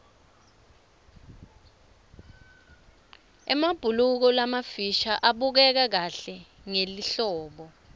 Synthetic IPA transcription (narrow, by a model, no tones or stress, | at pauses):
ɛmab̥ʱuluk̬ɔlamafiʃaʔaɓuk̬ɛk̬ak̬aɬɛŋeliɬɔːɓɔ